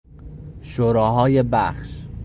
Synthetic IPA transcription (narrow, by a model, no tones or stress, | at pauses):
ʃoɾɒːɦɒːjebæχʃ